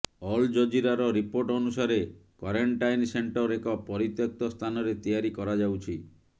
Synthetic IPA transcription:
ɔld͡ʒɔd͡ʒiɾaɾɔɾipoɾʈɔnusaɾekwaɾeɳʈajnseɳʈɔɾekɔpɔɾit̪jɔk̚t̪ɔst̪ʰanɔɾet̪ijaɾikɔɾad͡ʒawt͡ʃʰi

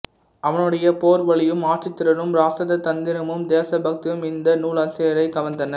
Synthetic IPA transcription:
ɐʋɐnɯɽɐjɐpoːɾʋɐɭɪjɯmaːʈrɪt̪ːɪɾɐɾɯmɾaːsɐðɐt̪ɐnd̪ɪɾɐmɯmd̪eːsɐbɐk̚t̪ɪjɯmɪnd̪ɐnuːɭasɪjɐɾɐɪkɐʋɐnd̪ɐnɐ

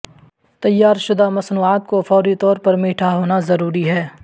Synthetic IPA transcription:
t̪ɐjːaːɾʃʊd̪amɐsnuːaːt̪̚kofɔːɾit̪ɔːɾpɐɾmiːʈʰaɦoːnazɐɾuːɾiɦɛː

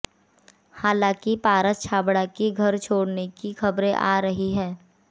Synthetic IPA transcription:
haːlãːkipaːɾət̪t͡ʃʰaːbɽakiɡʱɐɾt͡ʃʰoːɽnekixɐbɾẽʔaːɾɐɦiɦɛ̃ː

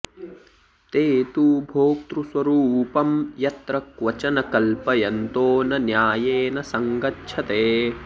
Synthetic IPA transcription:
t̪eːt̪ubʱoːk̚t̪ɾuswɐɾuːpɐmjɐt̪ɾɐkʋɐt͡ʃɐnɐkɐlpɐjɐnt̪oːnɐnjaːjeːnɐsɐŋɡɐtʃʰɐt̪eː

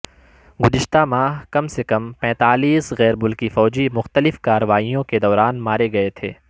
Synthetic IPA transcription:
ɡʊzɪʃt̪amaːɦkɐmsekɐmpɛ̃ːt̪aːliːsɣɛːɾmʊlkifɔːd͡ʒimʊxt̪əlɪfkaːɾəʋaːijõked̪ɔːɾaːnmaːɾeɡɐet̪ʰeː

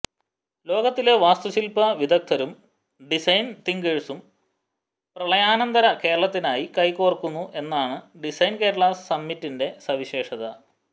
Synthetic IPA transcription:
lo̞ːɡɐt̪ːileʋaːst̪uɕilpɐʋid̪ʱɐk̚t̪ʰɐɾum | ɖisɐjnt̪iŋɡeɻusum | prɐɭɐjaːnɐnd̪ɐɾɐke̞ːɾɐɭɐt̪ːinaːjikɐjkoːrkːunːuʔe̞nːaːɳɨɖisɐjnke̞ːɾɐɭasɐmːitːinde̞sɐʋiɕeːʂɐðɐ

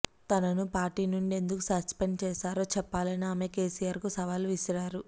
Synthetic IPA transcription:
t̪ɐnɐnupaːɾʈiːnuɳɖie̞nd̪ukusɐspeɳɖt͡ʃɛːsaːɾo̞ːt͡ʃɛpːaːlɐniaːme̞ke̞ːsijaːɾkusɐʋaːluʋisiɾaːɾu

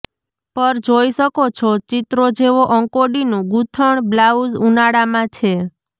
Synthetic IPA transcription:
pəɾd͡ʒojʃəkot͡ʃʰɔt͡ʃit̪ɾod͡ʒeʋoʔəŋkoɖinũɡut̪ʰəɳblaud͡ʒunaɽamãt͡ʃʰe

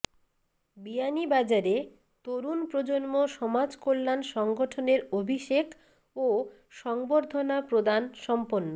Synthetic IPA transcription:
bianibad͡ʑaɾe | t̪oɾunpɾod͡ʑonmoʃɔmad͡ʑkolːanʃɔŋɡoʈʰoneɾobʱiʃekʰ | o | ʃɔŋboɾd̪ʱonapɾod̪anʃɔmponːo

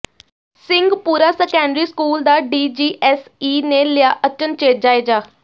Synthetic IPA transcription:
sɪ̃ŋɡpuːɾaːsɛkɛ̃ːɳɖɾiːskuːld̪aːɖiːd͡ʒiːʔɛsiːneːlɪjaːʔət͡ʃənt͡ʃeːʈ̚d͡ʒaːeːd͡ʒaː

